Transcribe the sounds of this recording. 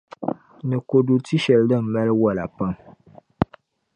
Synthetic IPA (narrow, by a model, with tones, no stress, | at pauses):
nɨ˨ko˨du˨ti˦ʃɛ˨ldɨ˦˨m̩˨mɛ˦lɨ˦wɔ˦la˨pa˦m